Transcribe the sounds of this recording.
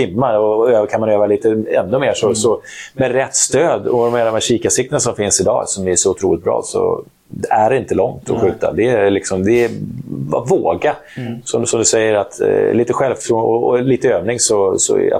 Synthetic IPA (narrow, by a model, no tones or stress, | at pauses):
ɪmːaɾɔøːkʰanmanøːvaliːt̪əɛ̰nːɵmeːʂɔsɔmɛd̪ɾɛt̪ːst̪øːd̪ɔd̪ɔmɛd̪ɔmhæɾɕiːkasɪk̚t̪ənasɔmfɪnsɪd̪ɑ̰ːsɔmɛæʂɔʊt̪ʰɾuːlɪt̪̚bɾɑ̰ːsɔ̰ | æɖɪnt̪əlɔŋt̪ʰɔ̰ɧʉ̟ːt̪a̰d̪ɛlɪksɔmd̪ɛ | voːɡa | sɔmsɔmd̪ɵsɛjːəɾat̪liːt̪əɧɛlft̪ɾuɔliːt̪əøːvnɪŋsɔsɔ̰a̰